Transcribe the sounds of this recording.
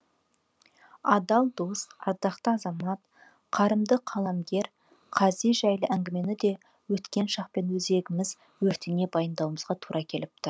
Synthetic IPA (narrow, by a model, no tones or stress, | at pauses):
ɑd̪ɑlˠd̪osɑɾd̪ɑqt̪əɑzɑmɑt̪ | qʰɑɾəmd̪əqʰɑlˠɑmɡʲe̞ɾ | qʰɑzijʒæjləʔæŋɡʲɪme̞nɪd̪e̞ | wɵt̪kʲe̞nʃɑqpe̞nwɵze̞ɡʲɪmɪz | wɵɾt̪ɪne̞bɑjənd̪ɑwməzʁɑt̪ʰuɾʔɑkʲʰe̞lɪp̚t̪ʰʊɾ